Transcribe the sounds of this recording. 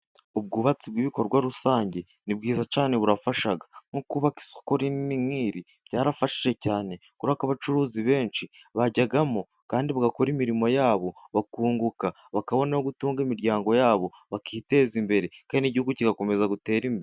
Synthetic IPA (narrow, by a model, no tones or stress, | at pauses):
ubɡuːβat͡sib̚ɡiːβiko̞ɾɡwaɾusaːɲɟe̞ | nib̚ɡiːzat͡ʃaːne̞βuɾafaʃaɡḁŋ̥ukuβaki̥so̥koɾininimŋiːɾi | b̥ɟaːɾafaʃi̥ʒe̞caːne̞kuɾakaβat͡ʃuɾuːziβe̞ːnt͡ʃi | βaɟaɡamo | kaːndiβaɡako̞ɾimiɾimo̞jaːβo̞βakuːŋɡuka | βakaβo̞nahoɡutuːŋɡemiɾɟaːŋɡo̞jaːβo̞ | βakʰiːte̞ːzimbe̞ɾe̞kaːniniɟihuɡuciɡako̞me̞zaɡute̞ːɾimbe